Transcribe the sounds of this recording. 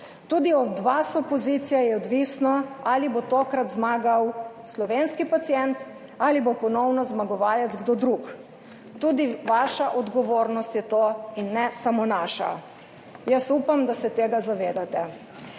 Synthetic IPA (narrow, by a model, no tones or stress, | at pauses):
t̪uːd̪iɔd̪ʋasɔpɔziːt̪sijajɛɔd̪ʋisnɔalibot̪oːkɾat̪zmaːɡawslɔʋeːnskipat̪sijɛnt̪ | alibopɔnɔwnɔzmaɡɔʋaːlɛd̪zɡd̪od̪ɾuk | t̪uːd̪iʋaːʃaʔɔd̪ɡɔʋoːɾnɔst̪jɛt̪oːinːɛsamonaːʃa̰ | jəsuːpamd̪asɛt̪eːɡazaʋeːd̪at̪ɛ